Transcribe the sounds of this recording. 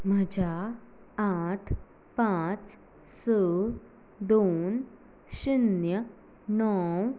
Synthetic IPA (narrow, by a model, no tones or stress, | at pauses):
mɐd͡ʑaː | aːʈʰ | pãːt͡ʃ | səː | d̪oːn | ʃinjə | nɔːw